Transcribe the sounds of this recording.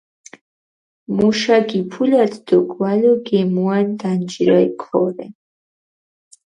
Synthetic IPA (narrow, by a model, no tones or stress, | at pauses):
muʃaɡipʰulad̪ʰd̪ɔɡwalɔɡɛmuand̪and͡ʒɾajkʰɔɾɛ